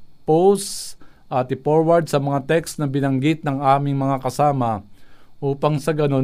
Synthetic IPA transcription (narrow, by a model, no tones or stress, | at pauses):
pows | ʔɐt̪ɪpoɹwɐɹd̪̚sɐmɐŋat̪ɛkst̪nɐbɪnɐŋɡɪt̪̚nɐŋaːmɪŋmɐŋakɐsaːmɐʔuːpɐŋsɐɡɐno̞